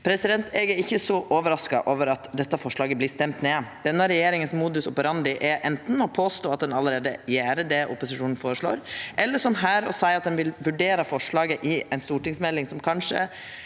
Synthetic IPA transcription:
pʰɾɛsɪd̪ɛnt̪ʰeːɡæɾɪçːəsɔʔoːʋəɾɑskɑʔoːʋəɾɑt̪d̪ɛt̪ːəfɔʂɭɑːɡəbliːst̪ɛmt̪neːd̪̥ɛnːəɾɛjeːɾɪŋənsmuːd̪ʉsʊpɾɑnd̪ɪʔɛʔɛnt̪n̩ɔpʰoːst̪oːɑt̪̚d̪ɛnɑlːəɾeːd̪əjæːɾəɖɛʔʊ̰pʊsɪʂuːnn̩foːɾəʂɭo̰ːɾʔɛlːəʂɔmɦæːɾɔsæɪɑt̪̚d̪ɛnʋɪlʋʉɖeːɾɑfɔʂɭɑːɡəʔɪɛɪnst̪uːʈɪŋsmɛlːɪŋsɔmkʰɑnʂə̰

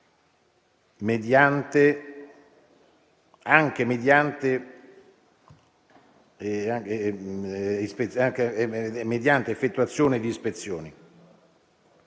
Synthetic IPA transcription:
med̪jant̪e | aŋk̟emed̪jant̪e | a | ispeaŋkemed̪jant̪eefːet̪ːuat̪sːjoːned̪iːspet̪sːjoːni

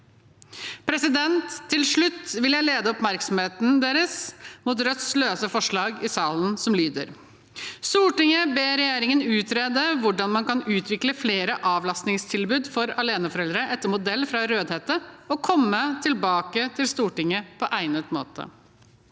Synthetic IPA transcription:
pʰɾɛsɪd̪ɛnt̪ʰːɪlʂɭʉt̪ːʋɪljæɪleːd̪əɔpmæɾksɔm̩heːt̪n̩d̪eːɾəsmuːt̪̬ɾœt̪sløːsəfɔʂɭɑːɡɪsɑːlən̩sɔmlyːd̪əɾ | st̪uːʈɪŋəbeːɾɛjeːɾɪŋənʉːt̪ʰɾeːd̪əʋʊɖɑnmɑnkɑnʉːt̪ʰʋɪkləfleːɾəʔɑːʋlɑst̪nɪŋst̪ʰɪlbʉːd̪fɔɾɑleːnəfɔɾɛld̪ɾəʔɛt̪ːəmʊd̪ɛlːfɾɑɾøːd̪heːt̪əɔkʰɔmːət̪ʰɪlbɑːkət̪ʰɪlst̪uːʈɪŋːəpʰɔʔæɪnət̪mo̰ːt̪ʰə̰

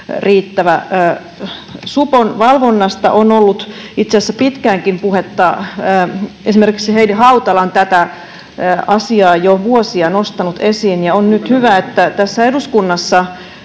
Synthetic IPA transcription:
riːt̪ːæʋæː | suponʋɑlʋonːɑst̪ɑ̰ʔonolːut̪it̪seæsːæpit̪kæːŋkimpuhet̪ːɑː | esimerki̥ksiheidiɦɑut̪ɑlɑnt̪æt̪æ | ɑsiɑːjoʋuosiɑnost̪ɑnut̪esiːnjɑonnyt̪hyʋæet̪ːæt̪æsːæeduskunːɑsːɑ

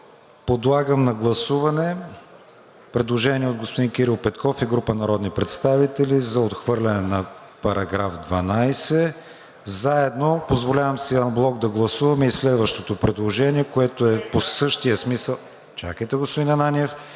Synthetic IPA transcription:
pod̪lˠaɡəmnɐɡlˠɐsuvɐnɛ | pɾɛd̪lˠoʒɛniɛod̪ɡospod̪inkʲiɾilˠpɛt̪kɔfiɡɾupənɐɾɔd̪nipɾɛt̪st̪avit̪ɛlʲizɐot̪xvɤɾlʲɐnɛnɐ | pɐɾʔɐɡɾafd̪vɐnajsɛ | zaɛd̪nopozvolʲavəmsɛanblˠɔɡ̚d̪ɐɡlˠɐsuvɐmɛislɛd̪vɐʃt̪ot̪opɾɛd̪lˠoʒɛniɛkoɛt̪oɛposɤʃt̪ijəsmisəlˠ | t͡ʃa̰kəjt̪ɛɡospod̪inɐnaniɛf

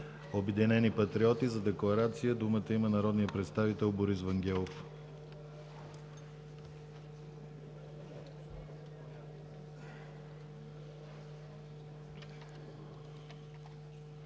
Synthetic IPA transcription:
obɛd̪inɛnipɐt̪ɾiɔt̪izɐd̪ɛklˠɐɾat̪sijəd̪umət̪əimənɐɾɔd̪nijəpɾɛt̪st̪avit̪ɛlˠboɾisvɐŋɡʲɛlˠof

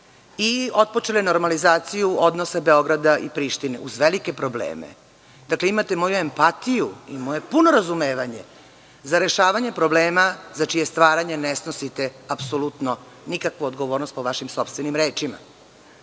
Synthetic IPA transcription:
io̞t̪̚po̞t͡ʃeleno̞ɾmalizaːt̪sijuod̪no̞sabe̞o̞ɡɾad̪aipɾiːʃt̪inḛʔuzʋelike̞pɾo̞blḛːmḛ | d̪akleimat̪e̞mojue̞mpat̪ijuimo̞je̞puno̞ɾazume̞ːʋaɲe̞ | zaɾe̞ʃaːʋaɲe̞pɾo̞bleːmazat͡ʃijest̪ʋaːɾaɲenesno̞sit̪eapsolut̪no | nikakʋuod̪ɡoʋo̞ːɾnost̪̚po̞ʋaʃimso̞pst̪ʋe̞nimɾeːt͡ʃima̰

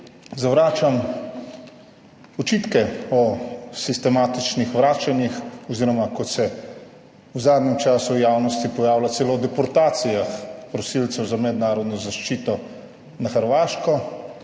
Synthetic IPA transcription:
zaʋɾaːt͡ʃam | ɔt͡ʃiːt̪kɛɔsist̪ɛmaːt̪it͡ʃnixʋɾaːt͡ʃanjixɔziːɾɔmakɔt̪sɛ | wzaːd̪nʲɛmt͡ʃaːsujaːwnɔst̪ipɔjaːwlat̪sɛlod̪ɛpɔɾt̪aːt̪sijaxpɾɔsiːlt̪sɛwzamɛd̪naːɾɔd̪nɔzaʃt͡ʃiːt̪ɔ | naxəɾʋaːʃkɔ

